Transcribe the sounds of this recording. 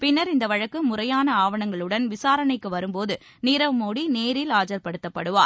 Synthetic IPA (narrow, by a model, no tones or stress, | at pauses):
pɪnːɐɾɪnd̪ɐʋɐɻɐkːɯmʊrɐjaːnɐaːʋɐɳɐŋɡɐɭɯɽɐnʋɪsaːɾɐɳɐɪkːɯʋɐɾɯmpoːðɯ | niːɾɐʋmoːɽineːɾɪlaːd͡ʒɐɾpɐɽɯt̪ːɐpːɐɽɯʋa̰ːɾ